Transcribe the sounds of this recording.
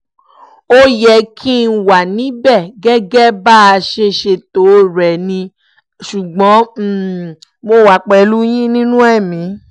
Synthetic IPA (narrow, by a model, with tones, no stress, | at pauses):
o˦jɛ˧˨kʰi˦n̩˦wa˨nĩ˨˦bɛ˦˨ɡɛ˦ɡɛ˦ba˦a˧ʃe˧ʃe˧to˨˦ɾɛ˨nĩ˧ | ʃu˨ɡ͡bɔ̃˨˦˨mo˧wa˨˦k͡pɛ˧˨lu˦j̃ĩ˦nĩ˦nũ˦ɛ˦˨mĩ˨˦